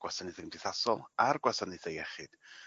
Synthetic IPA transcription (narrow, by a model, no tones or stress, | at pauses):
ɡ̥wasanɨθəmd̥iθasɔlˠarɡwasanɨθejɛχɨd̥